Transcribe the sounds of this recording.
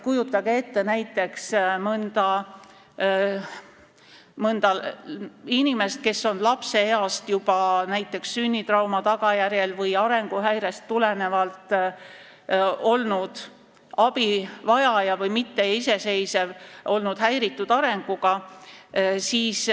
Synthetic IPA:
kujut̪ːˑɑɡee̞t̪ːe̞næjt̪ːˑe̞ksmɯnd̪̥ɑ | mɤnd̪̥ɑ | inime̞st̪̚ke̞sːo̞nlɑpse̞eɑst̪jub̥ɑnæjt̪ːˑe̞ksːynʲːit̪rɑwmɑt̪ɑɡ̥ɑjæɾje̞lvɤjɑɾe̞ŋɡ̥uɦæjɾe̞st̪ːulene̞vɑlt̪ˑ | o̞lnud̪̥ | ɑb̥ivɑjɑjɑvɤjmit̪ːe̞ise̞se̞jse̞vʔo̞lnud̪̥hæjɾit̪ːud̪̥ɑɾe̞ŋɡ̥uɡ̥ɑ | siːs

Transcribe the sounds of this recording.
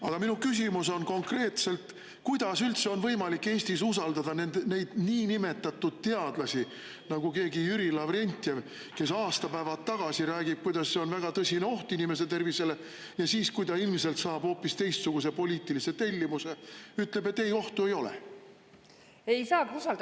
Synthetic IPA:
ɑɡ̥ɑminukys̬ʲimus̬o̞nko̞ŋkre̞ːt̪se̞lt̪ | kujd̪̥ɑsylt̪se̞o̞nvɤ̞jmɑlikːe̞ːsʲt̪isusɑld̪ɑd̪ɑne̞nd̪̥ne̞jd̪̥niːnime̞t̪ːˑɑt̪ːud̪̥̚t̪ːe̞ɑd̪̥lɑsi | nɑɡ̥uke̞ːɡijyɾilɑvɾe̞nʲt̪ʲːˑev | ke̞sɑːst̪ɑpæevɑt̪ːɑɡ̥ɑsiɾæːɡ̥ib̥̚kujd̪ɑsːe̞o̞nvæɡ̥ɑt̪ɤsʲine̞o̞ht̪uinime̞s̬e̞t̪e̞rvise̞le̞ | jɑsiːskujd̪ɑilmise̞lt̪sɑːb̥ho̞ːpːist̪e̞jst̪suɡ̥us̬e̞po̞lʲiːt̪ːˑilise̞t̪e̞lʲːimuse̞yt̪le̞be̞t̪ːejo̞ht̪ue̞jo̞lḛ | ejsɑːkusɑl

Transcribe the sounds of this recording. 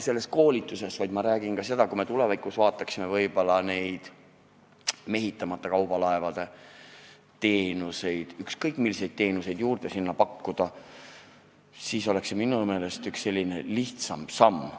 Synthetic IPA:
se̞lːe̞sko̞ːlit̪ːˑuse̞svɑjd̪mɑɾæːɡinkɑse̞d̪ɑkume̞t̪ulevɑjkːusvɑːt̪ːˑɑksime̞vɤjb̥o̞lɑne̞jd̪̥ | me̞ɦit̪ːˑɑmɑt̪ːˑɑkɑwbɑlɑe̞vɑd̪̥e̞ | t̪e̞ːnuse̞jd̪̥ykskɤjk̚ˑmilːise̞jd̪̥̚t̪e̞ːnuse̞jd̪juːrd̪̥e̞sinːɑpɑkːud̪̥ɑ | siːso̞le̞kseminume̞ːle̞st̪yksse̞lʲːine̞liht̪sɑmb̥sɑmː

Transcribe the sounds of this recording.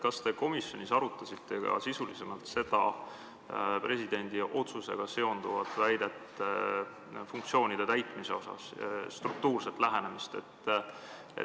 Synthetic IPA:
kɑst̪e̞ko̞misjo̞nʲisɑɾut̪ːˑɑsit̪ːe̞ɡɑ̰sisulise̞mɑlt̪se̞d̪̥ɑ | pre̞sid̪̥e̞nʲd̪̥iʔo̞t̪suse̞̰ɡ̥ɑse̞o̞nd̪̥uvɑt̪ːˑvæjd̪̥et̪ | funk̚t̪sio̞ːnid̪̥e̞t̪æjt̪ˑmise̞o̞sɑ̰sst̪ruk̚t̪uːrse̞t̪ˑlæɦene̞mist̪e̞̰t̪ː | ḛ

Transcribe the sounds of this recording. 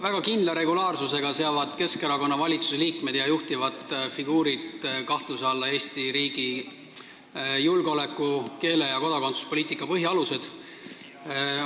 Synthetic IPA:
væɡ̥ɑkind̪lɑɾe̞ɡ̥ulɑːrsuse̞ɡ̥ɑse̞ɑvɑd̪̥ke̞skeɾɑko̞nːɑvɑlʲit̪su̥seliːkme̞d̪̥jɑjuht̪ivɑd̪fiɡ̥uːɾid̪kɑht̪lusɑlːɑe̞ːsʲt̪iɾiːɡ̥i | julɡeo̞le̞kːˑuke̞ːle̞jɑko̞d̪ɑko̞nt̪su̥spoliːt̪ːˑikːˑɑpɤɦjɑɑluse̞d̪̥

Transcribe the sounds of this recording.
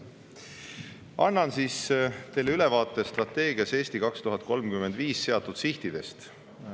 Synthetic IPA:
ʔɑnːɑnsiːst̪e̞jlːeylevɑːt̪ːˑe̞st̪rɑt̪ːˑe̞ːɡ̥iɑse̞ːsʲt̪ikɑkst̪uɦɑt̪̚ˑko̞lmkymːe̞nd̪viːsːe̞ɑt̪ːˑud̪̥siht̪id̪̥e̞st̪

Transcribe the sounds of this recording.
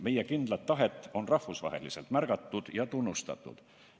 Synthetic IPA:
me̞jekind̪̥lɑt̪ːɑɦe̞t̪ːˑo̞nrɑhvusvɑ̰ɦe̞̰lise̞lt̪mærɡ̥ɑt̪ːˑud̪̥jɑt̪unːust̪ɑ̰t̪ːˑṵd̪̥

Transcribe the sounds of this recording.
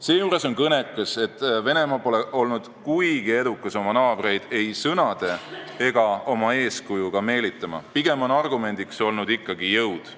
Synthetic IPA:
se̞ːjuːɾe̞so̞nkɤne̞kˑːɑse̞t̪ːˑve̞ne̞mɑpo̞leʔo̞lnud̪̥kujɡie̞d̪ukːˑɑso̞mɑnɑːb̥ɾe̞jd̪̥e̞jsɤnɑd̪̥e̞e̞ɡ̥ɑo̞mɑe̞ːskujuɡ̥ɑme̞ːlit̪ːˑɑmɑ̰piɡe̞monɑrɡume̞nʲd̪̥ikso̞lnud̪ikːɑɡijɤwd̪̥

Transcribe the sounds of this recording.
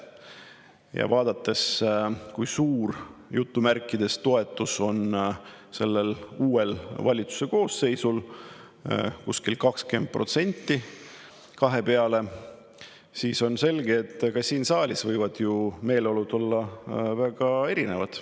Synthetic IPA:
jɑ̰vɑːd̪̥ɑt̪ːˑe̞skujsuːrjut̪ːumærkˑːid̪e̞st̪o̞e̞t̪ːˑuso̞nse̞lːe̞luːe̞lvɑlʲit̪su̥se̞ko̞ːsːe̞jsul | kuskilkɑkskend̪̚prʔo̞t̪se̞nʲt̪ːˑi | kɑɦe̞peɑle̞ | siːso̞nse̞lɡeːt̪ːˑkɑːiːnsɑːlʲisvɤjvɑd̪̥jume̞ːlo̞lud̪o̞lːɑvæɡ̥ɑe̞ɾine̞vɑd̪̥

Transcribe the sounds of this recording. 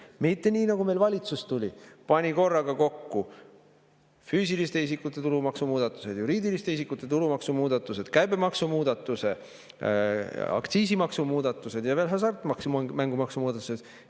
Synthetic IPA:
mit̪ːe̞nʲiːnɑɡume̞jlvɑlʲit̪sust̪ulʲipɑnʲiko̞rːɑɡ̥ɑko̞kːu | fyːsilist̪e̞is̬ikːˑut̪ːˑe̞t̪uɾumɑksumuːd̪̥ɑt̪ːˑu̥se̞d̪̥juɾiːd̪ilist̪eisikːut̪ːˑe̞t̪uɾumɑksumuːd̪̥ɑt̪ːˑuse̞d̪̥kæjbe̞mɑksumuːd̪̥ɑt̪ːˑuse̞ | ɑ̰kt̪siːsimɑksumuːd̪̥ɑt̪ːˑuse̞d̪̥jɑvelɦɑs̬ɑrt̪mɑksumæŋɡ̥umɑksumuːd̪ɑt̪ːˑused̪̥

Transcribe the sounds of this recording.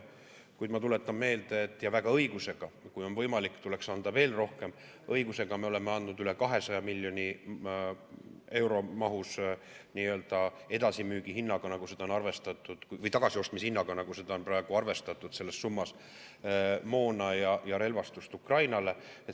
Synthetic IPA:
kujd̪mɑt̪ule̞t̪ːˑɑmːe̞ːld̪eːt̪ːˑjɑvæɡ̥ɑɤ̞jɡ̥use̞ɡ̥ɑkujo̞nvɤ̞jmɑlikːt̪ule̞ksɑnd̪ɑve̞ːlro̞hke̞m | ɤjɡuse̞ɡ̥ɑme̞o̞le̞meɑnd̪nud̪yle̞kɑɦe̞sɑjɑmilʲːjo̞nʲi | e̞wɾo̞mɑɦusniːø̞ld̪̥ɑe̞d̪̥ɑsimyːɡ̥iɦinːɑɡ̥ɑnɑɡ̥use̞d̪ɑo̞nɑrve̞st̪ɑt̪ˑːud̪̥kuvɤjt̪ɑɡ̥ɑsio̞st̪mishinːɑɡ̥ɑnɑɡ̥use̞d̪̥ɑo̞nprɑe̞ɡ̥uɑrve̞st̪ɑt̪ːˑud̪̥se̞lːesːumːɑs | mo̞ːnɑjɑjɑɾe̞lvɑst̪ust̪ukrɑjnɑle̞e

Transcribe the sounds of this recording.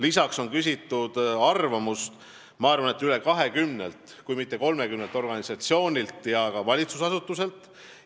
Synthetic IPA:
lisɑkso̞nkys̬ʲit̪ˑːud̪̥ɑrvɑmust̪ | mɑɑrvɑne̞t̪ːˑyle̞kɑɦe̞kymnḛlt̪ | kujmit̪ˑːe̞ko̞lme̞kymnelt̪ːˑo̞rɡ̥ɑnisɑt̪sio̞ːnʲilt̪ˑjɑkɑvɑlʲit̪susɑsut̪ːˑuse̞lt̪ːˑ

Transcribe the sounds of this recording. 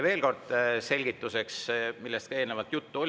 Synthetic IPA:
ve̞ːlko̞rd̪̥se̞lʲɡ̥it̪ːˑuse̞ksmilːest̪kɑeːlnevɑt̪jut̪ːuolʲ

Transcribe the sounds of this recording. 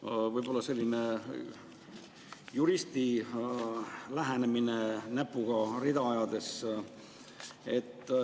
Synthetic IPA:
vɤjb̥o̞lːɑse̞lʲːine̞ | juɾist̪i | læɦæneminenæpːuɡ̥ɑɾid̪ɑɑjɑd̪̥e̞s | e̞t̪ːˑ

